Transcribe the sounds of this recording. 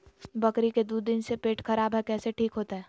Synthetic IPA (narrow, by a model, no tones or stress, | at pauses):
bɐkɾiked̪ud̪d̪ɪnsepeːʈxɐɾaːbɦɛkɛːseʈʰiːkɦoːt̪aɦɛː